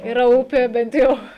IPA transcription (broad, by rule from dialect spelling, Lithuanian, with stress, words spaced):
ɪˈrɐ ˈʊpʲeː bʲɛnt ˈjɛʊ